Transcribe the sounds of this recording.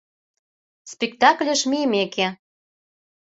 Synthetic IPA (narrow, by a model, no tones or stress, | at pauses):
spik̚t̪ɑklʲəʃmimeke